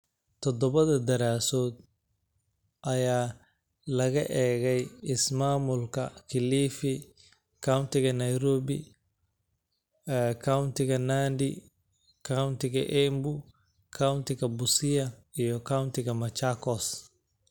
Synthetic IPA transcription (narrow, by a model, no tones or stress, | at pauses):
t̪ʰɔd̪ɔβɐðɐd̪ɐɾaːsɔːd̪̚ | ʔɐjaː | lɐɣɐʔɛːɣɛjɪsmaːmʊlkʰɐ̰kʰɪliːfi | kʰawnt̪ɪɣɐnɐjɾɔːbḭ | ɛkʰawnt̪ɪɣɐnaːnd̪ḭ | kʰawnt̪ɪɣɐʔɛmbu | kʰawnt̪ɪɣɐbʊsɪjɐ | ijɔkʰawnt̪ɪɣɐmɐt͡ʃakɔs